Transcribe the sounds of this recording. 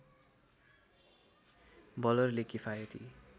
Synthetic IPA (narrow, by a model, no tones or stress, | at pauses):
bʌlʌrlekifajʌt̪ʰḭ